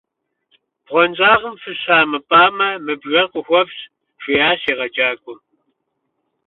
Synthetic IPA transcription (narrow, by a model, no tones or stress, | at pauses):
b̥ʁʷɔnzʼaːʁəmfɨɕaːmɨpʼaːmɐmɨbʒʷɐqʷʼʊxʷɔps | ʃʷijaːseːʁɐt͡ʃʼaːkʷʼʊm